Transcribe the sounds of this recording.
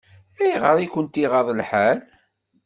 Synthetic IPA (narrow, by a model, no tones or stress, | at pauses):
æjʁəɾˤikənt̪iʁɑðˤəlħal